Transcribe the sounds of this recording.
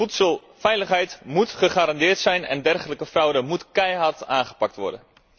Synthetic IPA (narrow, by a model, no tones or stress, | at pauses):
utsəlˠ | fɛjləχɦɛjtmutχəχaːɾɑndɪːrtsɛjnɛ̰ndɛrχələkəfrɔwdəmutkɛjɦɑrtaːnχə̥pɑk̚tʋɔ̰ɹdən